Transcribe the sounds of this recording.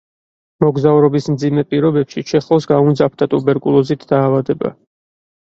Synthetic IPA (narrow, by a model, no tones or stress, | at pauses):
mɔɡzauɾɔbismd̪zimɛpʼiɾɔbɛpʃit͡ʃʰɛχlˠɔsɡaund̪zapʰd̪ʰat̪ʼubɛɾkʼulˠɔzit̪ʰd̪̥aːvad̪ɛba̰